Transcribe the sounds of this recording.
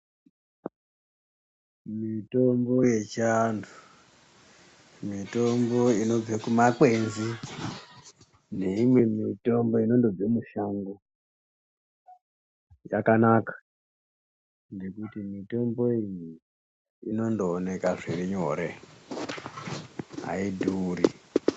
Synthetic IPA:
mito̞mbo̞je̞t͡ʃandu | mito̞mbo̞ino̞b͡vekumak͡pe̞nzi | ne̞imwe̞mito̞mbo̞ino̞ndo̞d͡zemuʃaŋɡo | jakanakḁ | nɡe̞kutimito̞mbo̞iji | ino̞ndoːne̞kaʐiɾiɲo̞ɾe̞̰ | ɦa̰idʱuːɾḭ

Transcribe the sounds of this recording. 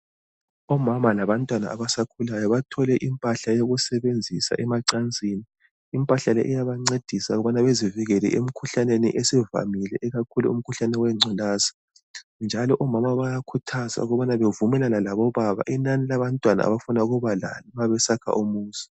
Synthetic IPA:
ɔmamalaβantʼwana̰aβasakʰulajɔβatʰɔlɛʔimpʼaɬajoɣusɛβend͡zʱisa̰ʔɛmaǀand͡zʱini | impʼaɬalɛ̰ʔɛjaβaŋ͡ǀed̥ʱisaɣuβanaβeziviɣɛlɛ̰ʔem̩kʰuɬaneniʔesɛva̰milɛʔːɣakʰuluṵm̩kʰuɬanɛwɛŋ͡ǀʱɛlaːzḁ | nd͡ʒʱalɔʔɔmamaβajakʰutʰaza̰uɣɔβanaβevumɛlanalaβɔβaβa̰ʔinanilaβantʼwana̰a̰βafunauɣuβala̰liβaβɛsakʰa̰ʔumuːsi̥

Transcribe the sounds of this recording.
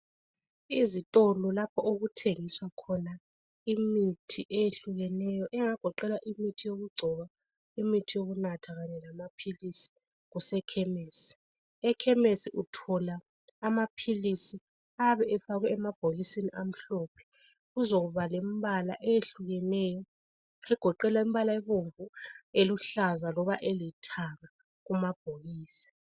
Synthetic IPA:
izitʼɔlɔlapʰɔʔoɣutʰeŋiswakʰɔna | imitʰiʔejeɬuɣɛnɛjɔʔɛŋaɡ̥ʱɔǃɛlaʔimitʰijoɣuɡ͡ǀʱɔβa | imitʰijoɣunatʰaɣaɲɛlamapʰilisi̥ | ɣusɛkʰɛmeːsi̥ | ɛkʰɛmesiʔutʰɔlaː | mapʰilisi | aβɛʔɛfaɣwɛɛmab̥ʱoɣisiniʔam̩ɬɔpʰɛ̥ | ɣuzoɣuβalem̩βala̰ʔejeɬuɣɛnɛjɔ | ɛɡ̥ʱɔǃɛlwaim̩iβalaiβuɱvueluɬazalɔβaʔelitʰaɣa | ɣumab̥ʱoɣiːsi̥

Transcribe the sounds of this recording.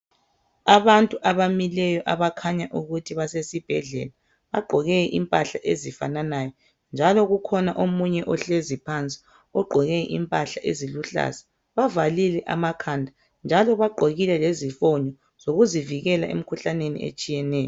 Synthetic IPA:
aβantʼuʔaβamilɛjɔʔaβakʰaɲaʔuɣutʰiβasesib̥ʱɛ̰ɮɛ̰la | βaɡ͡ǃʱɔɣɛɛʔimpʼaɬaʔezifa̰nanajɔ | nd͡ʒʱalɔɣukʰɔnaʔomuɲɛʔɔɬezipʰant͡sʼi̥ | ɔɡ͡ǃʱɔɣɛ̰ʔimpʼaɬaʔeziluɬa̰zḁ | βavalilɛʔa̰makʰandʱa | nd͡ʒʱalɔβaɡ͡ǃʱoɣilɛlezifɔɲɔ | z̥oɣuziviɣɛlaʔḛm̩kʰuɬanenḭḛt͡ʃʼijɛnɛːjɔ

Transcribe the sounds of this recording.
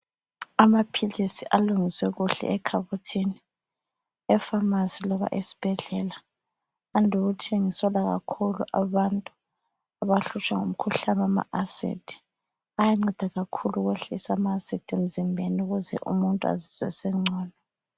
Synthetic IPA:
amapʰilisiʔaluŋiswɛɣuɬɛ̰ɛkʰaβutʰini | ɛfamasilɔβa̰ʔesi̥b̥ʱɛɮɛlaː | ndʱuɣutʰiŋisɔlaɣa̰kʰuluʔa̰βantʼu | aβaɬut͡ʃʰʼwaŋom̩kʰuɬanwama̰ʔasḛtʰi̥ | ajaŋ͡ǀɛd̥ʱaɣakʰuluɣweɬisamaːsɛtʰem̩zimbʱenuɣuzɛ̰ʔṵmuntʼua̰ziz̥wɛ̰sɛŋ͡ǀʱɔːnɔ

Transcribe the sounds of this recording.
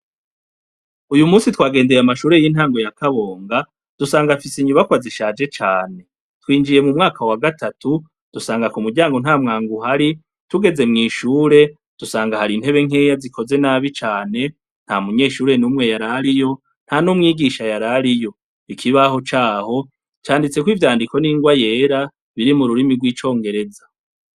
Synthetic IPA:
ujumuːsitwaːɡe̞ːndeɾeamaʃuːɾe̞jinhaːŋɡo̞jakʰaβo̞ːŋɡa | d̥usaːŋɡafisiɲuβakwaziʃaːd͡ʒe̞t͡ʃaːne̞ | twiːnd͡ʒije̞mumŋaːkʰawaɡatʰatu | d̥usaːŋɡakumuɾɟaːŋɡo̞n̥aːmŋaːŋɡuɦaɾi | tuɡe̞ze̞mŋiːʃuːɾe̞ | d̥usaːŋɡahaɾinhe̞βe̞ŋ̥ejazikʰo̞ze̞naːβit͡ʃaːne̞ | n̥hamuɲe̞ːʃuːɾe̞numŋe̞jaɾaɾijo̞ | n̥hanumŋiːɡiʃajaɾaɾijo̞ | ikʰiβaho̞t͡ʃaːho̞ | t͡ʃaːndit͡se̞kwivjaːndiko̞niːŋɡwaje̞ːɾa | βiɾimuɾuɾimiɡwiːt͡ʃo̞ːŋɡe̞ɾe̞za

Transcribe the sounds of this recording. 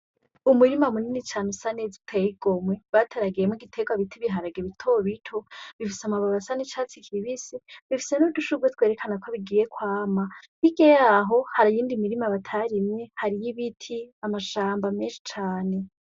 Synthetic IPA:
umuɾimamuninit͡ʃaːnusanezitʰejiɡ̥omwe̞βatʰeɾaɡijemŋiɡitʰeɡwaβitʰiβiɦaɾaɡeβitʰoβitʰoβifisamaβaβasanet͡ʃaːt͡sikʰiβisiβifi̥se̞nuduʃuɡwetwe̞ːɾekʰanakʰoβiɡiːje̞kwaːmaβiɡejaɦo̞haɾajiːndimiɾimaβatʰaɾimɲe̞haɾijiβitʰiamaʃaːmbameːnʃi̥t͡ʃaːne̞

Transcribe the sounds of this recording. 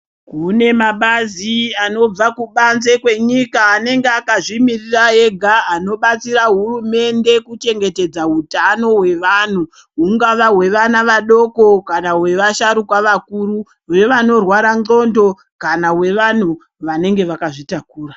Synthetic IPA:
kune̞maɓaziano̞b͡vakuɓanze̞kwe̞ɲikaːne̞ŋɡeakaʐimiriraɦe̞ɡʱaːno̞ɓat͡siraɦurume̞nde̞kut͡ʃe̞ŋɡe̞te̞d͡zautano̞we̞ʋan̤u | ɦuŋɡaʋawe̞ʋanaʋaɗo̞ko̞kanawe̞ʋaʃaɾukwaʋakuru | ʋe̞ʋano̞rwaɾaŋ͡ǃo̞ndo̞ | kanawe̞ʋan̤u | ʋane̞ŋɡe̞ʋakaʐitakuːra

